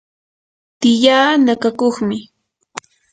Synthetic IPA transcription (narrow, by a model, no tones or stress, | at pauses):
t̪ɪʎaːnakakoχmɪ